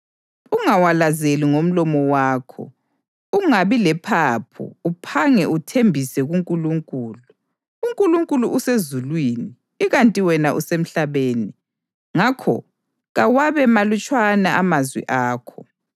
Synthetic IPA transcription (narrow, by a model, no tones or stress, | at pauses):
uŋawalazeliŋom̩lɔmɔwaːkʰɔ̰ | uŋaβilɛpʰapʰṵupʰaŋɛʔutʰembʱisɛɣuŋkʼuluŋkʼuːluː | ŋkʼuluŋkʼuluʔusezulwiːniː | ɣantʼiwɛnaʔusem̩ɬaβeːni | ŋakʰɔ̰ | ɣawaβɛmalut͡ʃʼwanaamazwḭʔaːkʰɔ